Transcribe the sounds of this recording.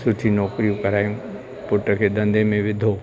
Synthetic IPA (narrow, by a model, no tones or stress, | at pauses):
sʊʈʰinɔːkɾijũkɐɾaːjũ | pʊʈəkʰed̪ɐ̃nd̪ʱemẽʋɪd̪ʱoː